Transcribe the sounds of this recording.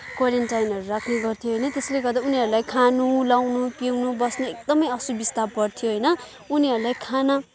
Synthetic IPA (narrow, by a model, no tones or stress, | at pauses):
kwaɾenʈajinʌɾuɾakʰneɡʌrt̪ʰijoɦʌjnʌt̪esleɡʌrd̪auniʌɾulajkʰanulawnupiwnubʌsnoek̚d̪ʌmʌjʌsubist̪abpʌrt̪ʰjoɦʌjnʌ | uniɦʌɾulajkʰana